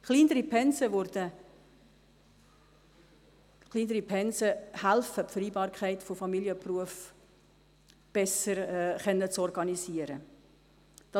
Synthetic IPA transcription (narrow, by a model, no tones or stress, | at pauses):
χliːnəɾipʰɛnsəvʊɾd̥ə | χlˠiːnəɾipʰɛnsəhælfəpfəɾiːbɑːɾkχɛɪtfofɑmiljəpruəf | b̥ɛsəɾχɛnːət͡sɔrɡɑnisiəɾə | d̥ɑ